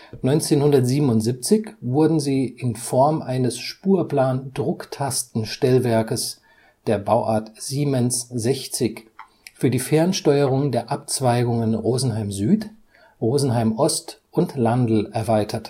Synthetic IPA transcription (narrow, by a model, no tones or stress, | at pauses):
nɔʏnt͡seːnhʊndɐtz̥iːbm̩ʊntz̥ip̚t͡sɪçv̥ʊɐdn̩ziːʔɪnfɔɐmʔaɪnəsʃpuːɐpl̥aːndʁʊktʰastn̩ʃtɛlvɛɐkəs | d̥eːɐbaʊʔa̰ːɐtz̥iːmɛnszɛçt͡sɪç | fyːɐdiːfɛɐnʃtɔʏəʁ̞ʊŋdeːɐʔap̚t͡sv̥aɪɡʊŋənʁoːzn̩ɦaɪmzyːt | ʁoːzn̩ɦaɪmʔɔstʔʊntlandl̩ʔɛɐvaɪtʰɐt